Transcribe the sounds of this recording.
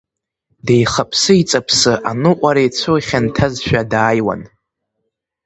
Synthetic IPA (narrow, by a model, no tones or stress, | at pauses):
dejχapʰsɨit͡sʼapʰsɨʔanɨqʷʼaɾejt͡sʷʰoχʲantʰazʃᶣadaːjwa̰n